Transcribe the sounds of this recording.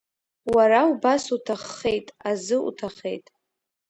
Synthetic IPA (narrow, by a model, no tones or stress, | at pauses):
waɾaubasutʰaχːe̞jtʼazɨṵtʰaχejtʼ